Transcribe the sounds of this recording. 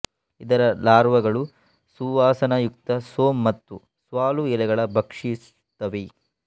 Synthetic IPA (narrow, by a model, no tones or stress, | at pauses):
id̪ɐɾɐlaːɾʋɐɡɐɭu | suːʋaːsɐnɐjuk̚t̪ɐsoːmːɐt̪ːu | sʋaːluɛlɛɡɐɭɐbʱɐkʂis | t̪ɐʋi